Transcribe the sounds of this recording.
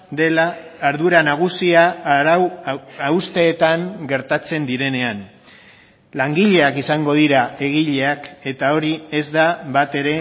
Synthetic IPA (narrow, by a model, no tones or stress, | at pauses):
d̪e̞laːɾðuɾanaɣ̞usia | awst̪e̞ːt̪aŋɡe̞ɾt̪at͡se̞nd̪iɾe̞ne̞an | laŋɡiʎe̞akisaŋɡo̞ð̞iɾae̞ɣ̞iʎe̞ake̞t̪ao̞ɾie̞zd̪aβat̪e̞ɾe̞